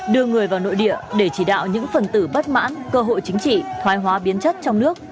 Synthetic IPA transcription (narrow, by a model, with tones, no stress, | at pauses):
ɗɨ˧əŋɨ˨˩əjvaː˨˩wno̰˧˨jɗḭ˧˨əɗe˧˩t͡ɕi˧˩ɗa̰ː˧˨wɲɨ̰˧˥ŋfə˨˩nt̪ɨ˧˩ɓə˦˥t̚ma̰ː˧˥nkəː˧ɦo̰˧˨jt͡ɕï˨˦ŋ̟t͡ɕḭ˧˨t̪ʰwaː˨˦jɦwaː˨˦ɓi˨˦ənt͡ɕə˦˥t̚t͡ɕɔ˧wŋ͡mnɨ˦˥ək̚